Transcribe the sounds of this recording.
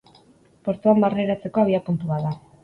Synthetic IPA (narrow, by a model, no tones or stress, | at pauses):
po̞ɾt̪uambareɾat͡se̞ko̞aβiapunt̪uβaða